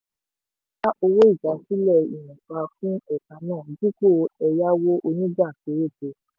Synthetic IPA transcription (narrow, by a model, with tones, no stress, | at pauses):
ta˦ʔo˧wo˦i˦˨d͡ʒa˨˦si˦lɛ˦˨ḭ˨nũ˨k͡pa˧fũ˦ɛ˦˨kã˨˧nãː˦˨d͡ʒi˦ko˦˨ɛ˧ja˦wo˦ʔo˧nĩ˦d͡ʒa˦˨ke˨˦ɾe˦˨te˨˧